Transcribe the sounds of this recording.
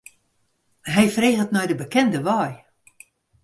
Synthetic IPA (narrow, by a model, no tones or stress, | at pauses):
ɦɛjfreːɣətnɔjdəbəkɛndəʋɔj